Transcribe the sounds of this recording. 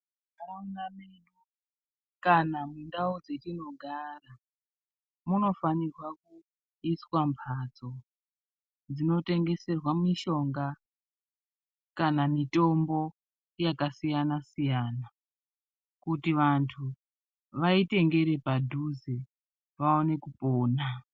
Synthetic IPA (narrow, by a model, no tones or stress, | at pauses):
aonamenu | kanamundaud͡zetino̞ɡʱaːra | muno̞fanirwaku | iswampʰat͡so̞ | d͡zino̞te̞ŋɡe̞se̞rwamiʃo̞ŋɡa | kanamito̞mbo̞ | jakasijanasijaːna | kutiʋantʰu | ʋaite̞ŋɡe̞ɾe̞padʱuze | ʋaone̞kupoːna